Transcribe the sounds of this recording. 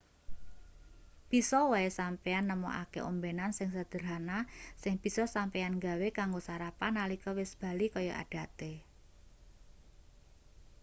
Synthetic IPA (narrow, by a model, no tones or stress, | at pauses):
b̥isɔwaesampeanːəmɔ̰ʔa̰kḛʔombɛnansɪŋsəd̪̥ə̤ɾɦanasɪŋb̥i̤sɔsampɛanŋɡa̤wekaŋɡosaɾapanalikɔwɪsb̥a̤likɔjɔʔa̰ɖ̥a̤t̪e